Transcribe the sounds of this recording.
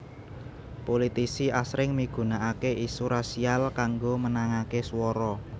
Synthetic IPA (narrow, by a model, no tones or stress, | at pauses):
polit̪isiʔasɾɪŋmiɡ̥ṳnaʔakeʔisuɾasialkaŋɡomənaŋakeswɔɾɔ